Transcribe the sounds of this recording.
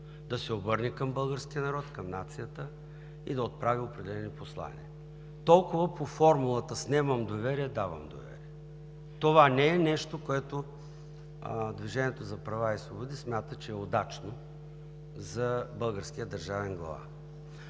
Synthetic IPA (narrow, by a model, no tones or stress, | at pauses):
d̪ɐsɛobɤɾnikɐmbɤlˠɡəɾskiənɐɾɔt̪kɐmnat̪sijət̪ə | ḭd̪ɐot̪̚pɾaviopɾɛd̪ɛlɛniposlˠa̰nḭɛ | t̪ɔlˠkʊvəpofɔɾmulˠət̪əsnɛməmd̪ovɛɾiɛd̪avə̰md̪o̰vɛ̰ɾiɛ | t̪ovanɛɛnɛʃt̪okoɛt̪o | d̪viʒɛnʲiɛt̪ozɐpɾɐvaisvobod̪ismʲjat̪ət͡ʃɛːod̪at͡ʃno | zɐbɤlˠɡəɾsk̟ijəd̪ɐɾʒavɛnɡlˠɐ̰va̰